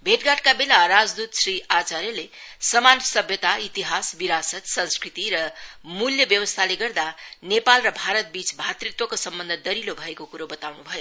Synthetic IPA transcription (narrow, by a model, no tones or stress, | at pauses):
bʱeʈɡaʈkabelaɾad͡zd̪ut̪srɾiat͡saɾjʌlesʌmansʌbʱjʌt̪ait̪iɦasbiɾasʌt̪sʌ̃nskrit̪iɾʌmuljʌbjʌwʌst̪ʰaleɡʌrd̪anepalrʌbʱaɾʌt̪̚bit͡sbʱat̪rik̚t̪wʌkosʌmbʌnd̪ʱʌd̪ʌɾilobʱʌekokuɾobʌt̪awnubʱʌjo